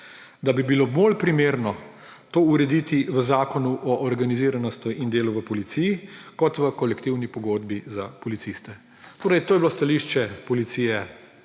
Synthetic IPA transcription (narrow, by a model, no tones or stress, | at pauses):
d̪abibilomolpɾimeːɾnɔ | t̪oːuɾɛd̪iːt̪iʋəzaːkɔnuʔɔʔɔɾɡaniziːɾanɔst̪iind̪eːluʋəpɔlit̪sijikɔt̪ʋəkɔlɛkt̪iwnipɔɡoːd̪bizapɔlit̪sist̪ɛ | t̪oːɾɛjt̪oːjɛbilost̪aliʃt͡ʃɛpɔlit̪siːjɛ